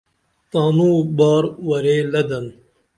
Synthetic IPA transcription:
t̪aːnuːbaːɾwɐɾeːlɐd̪ɐn

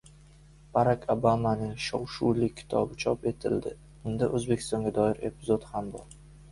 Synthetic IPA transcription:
b̥aɾakʰobamanɪŋʃowʃuwlɪɪ̥t̪ʰɒbɪt͡ʃʰɒpe̞t̪ʰɪld̪ɪ | ʊnd̪aʔɵzbe̞kʰʲɪ̥st̪ɒŋɡʲad̪ɒɪɾe̞pʰɪzot̪hambɒ̰ɾ

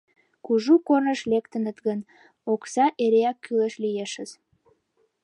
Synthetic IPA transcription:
kuʒukornəʃlekt̪ə̆nət̪ɣən | oksɑʔeɾeækːyləʃlijeʃə̆z

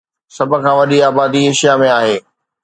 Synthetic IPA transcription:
sɐbʱʊ̆kʰãʋɐɗiaːbaːd̪ieːʃijamẽaːɦeː

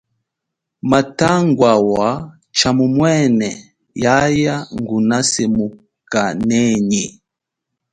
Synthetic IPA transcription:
mataŋɡwawa | t͡ʃamumwɛnɛ | jajaŋɡunasɛmu | kanɛɲi

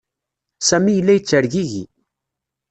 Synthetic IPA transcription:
sæmijəlːæjət͡sːəɾʝiʝḭ

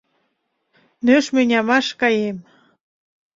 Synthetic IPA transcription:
nøʃmenʲɑmɑʃkɑjem

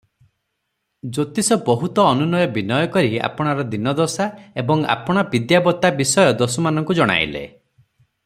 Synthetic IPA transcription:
d͡ʒot̪isɔbɔɦut̪ɔːnunɔjɔbinɔjɔkɔɾia̰pɔɽ̃aɾɔd̪inɔd̪ɔsaebɔŋa̰pɔɽ̃abid̪jabɔt̪abisɔjɔd̪osɔmanɔŋkud͡ʒɔɽ̃a̰j̰lḛ

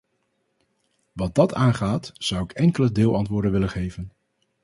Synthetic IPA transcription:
ʋɑd̚dɑtaːnχaːtz̥ʌwɪkɛŋkələdɪːlˠɑntʋʊːɹdənʋɪlənχejvən

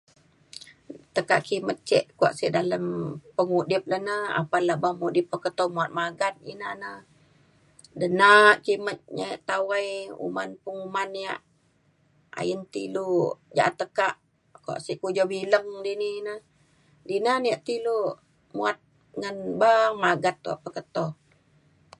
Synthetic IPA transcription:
t̪əkaʔkimət̪̚t͡ʃɛ̰ʔkua̰ʔsiʔdaləmpəŋudɪp̚lanəa̰palabamudip̚ːəkət̪omuat̪̚maɡan̚ḭnanə | dənaʔkimət̪̚ɲajʔt̪awajṵmanpəŋumanːija̰ʔ | a̰jənt̪ḭlud͡ʒa̰ʔat̪ːəkaʔ | kua̰ʔsiʔkud͡ʒɔbiləŋdininə | dinaniaʔt̪ilu | muat̪̚ | ŋənbamaɡat̪̚kua̰ʔpəkət̪ɔh

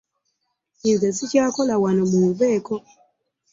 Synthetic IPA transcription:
inzesicaːkolawanomuβɛːko

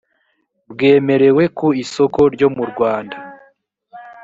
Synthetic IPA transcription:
bɡe̞ːme̞ɾe̞we̞kuiso̞ko̞ɾɟo̞muɾɡwaːnda

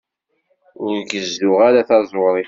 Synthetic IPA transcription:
ʊɾɡəzðʊʁaɾaθɑzˤʊɾˤi

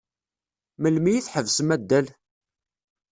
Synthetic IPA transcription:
məlmijiθħəvsəmæd̪ːæl

